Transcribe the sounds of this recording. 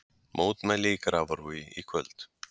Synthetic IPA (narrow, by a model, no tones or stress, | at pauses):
mʔoːwt̪mɛlikɾavɔɾvujikʰvœlt̪